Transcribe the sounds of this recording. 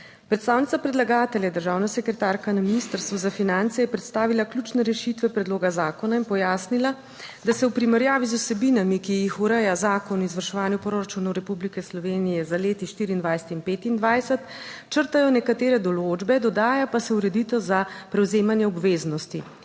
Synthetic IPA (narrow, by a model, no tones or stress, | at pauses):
pɾɛt̪st̪aːwnit̪sapɾɛd̪laɡaːt̪ɛljɛd̪əɾʒaːwnasɛkɾɛt̪aɾkanaminist̪əɾst̪ʋɔzafinant̪sɛjɛpɾɛt̪st̪aːʋilaklʲuːt͡ʃnɛɾɛʃit̪ʋɛpɾɛd̪loːɡazaːkɔnainpɔjaːsnila | d̪asɛwpɾimɛɾjaːʋizusɛbinamikijixuɾɛjazaːkɔnizʋaɾʃɛʋaːnjupɾoɾat͡ʃunɔwɾɛpublikɛslɔʋeːnijɛzaleːt̪iʃt̪iɾiːnd̪ʋajsɛ̥t̪inpeːt̪ind̪ʋajsɛt̪ | t͡ʃəɾt̪ajɔnɛkat̪eːɾɛd̪ɔlod͡ʒbɛd̪ɔd̪aːjapasɛuɾɛd̪it̪ɔzapɾɛwzeːmanjɛɔbʋeːznɔst̪i